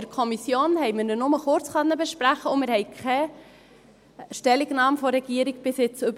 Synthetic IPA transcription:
əɾkʰɔmisjoːnhɛɪjmɪnənʊməχʊɾt͡sχœnːəbɛʃpɾæχəʊmɪɾhɛɪkʰɛ | ʃtɛliɡnɑːmfɔɾɛɡiəɾiɡ̚b̥ɪsɪt͡sɵb

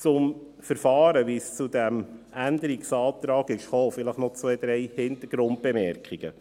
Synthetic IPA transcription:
t͡sʊm | fəɾfɑːɾəʋist͡sud̪æmʔænd̪əɾiksɑːt̪ɾɑːɡɪʃχoːfɪləχnɔt͡sʋɛjd̪ɾɛjhɪnt̪əɾɡ̥ɾʊnt̚b̥ɛmɛɾkχiɡ̥ə̰

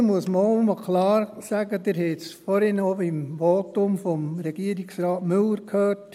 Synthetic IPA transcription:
muəsməməkʰlɑːɾsæɡəd̪ɪɾhɛtsfɔɾɪnəoimʋotʊmfɔmɾɛɡiəɾiksɾɑːtmʏlːəɾkʰhøːrt

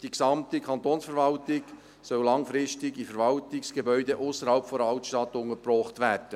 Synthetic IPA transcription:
d̥iksɑmtikʰɑnt̪oːnsfəɾvɑltɪɡ | sœwlɑŋfɾɪʃtɪɡifəɾvɑltɪksɡ̥ebœʏdeʔʊsəɾhɑlpfɔdɑltʃtɑt̪ʊŋəɾprɔːχt̪ʋæːɾd̥ə

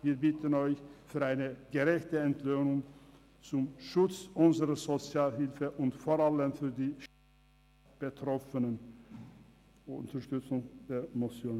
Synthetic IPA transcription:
viːɐbɪtʰənɔʏçfyːɐaɪnəɡ̥əʁɛçtəɛntløːnʊŋ | t͡sʊmʃʊt͡sʔʊnzəʁɐzot͡sjaːlɦɪlfəʔʊntfoʁaləmfyːɐdiːʃ | b̥ətʁ̥ɔfənən | ʊntɐʃtʏt͡sʊŋd̥eːɐmot͡sjoːn

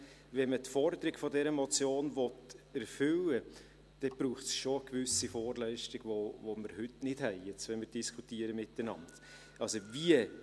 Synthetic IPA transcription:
vɛnmətfɔɾdəɾɪɡ̥fɔdɛɾəmɔt͡sjoːnvɔtɛɾfʏlə | d̥ɛb̥ɾuːχtsʃoɡ̥vʏsifoːɾlœɪʃtɪɡ̥vovoməɾhʏtnɪd̥hɛɪjɛt͡sʋɛmɪɾd̥iskʰutiəɾəmɪtːənɑ̰nd | ɑlsoviə

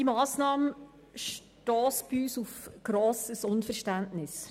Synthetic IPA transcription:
d̥imaːsnɑːmə | ʃ | tɔːsb̥iyːsufɡ̥ɾoːsəsʊnfɛʁʃtæntnɪs

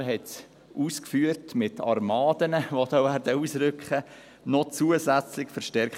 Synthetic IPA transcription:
ɦɛt | ʔuːskfyːəɾtmɪtɑ̰ɾmɑːdənəʋod̥̪ɑːvæːɾdəuːsɾʏkχə | nɔt͡suəzæt͡slɪkfəɾʃtɛɾk

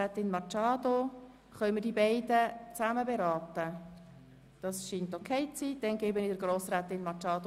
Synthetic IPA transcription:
ɛt̪ɪnmɑt͡ʃɑːd̪o | χœʏmədibɛɪd̥ət͡sæməbeɾɑːtə | d̥ɑsʃiːntokʰɛɪt͡siːd̥ɛnɡ̥eːbənɪd̥əɾɡɾoːsɾɛt̪ɪnmɑt͡ʃɑːd̪o

